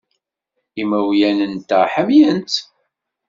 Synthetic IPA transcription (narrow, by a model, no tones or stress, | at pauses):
imæwjænənt̪ːæħəmjənt̪